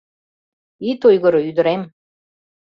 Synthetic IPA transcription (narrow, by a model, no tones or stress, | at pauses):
it̪ojɣɤ̆ɾɤ̆yd̪ə̆ɾem